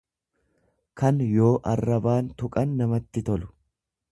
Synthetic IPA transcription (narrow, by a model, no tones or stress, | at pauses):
kɐnjo̞ːʔɐrːɐbaːnt̪ʊkʼɐnːɐmɐt̪ːɪt̪ɔlʊ̥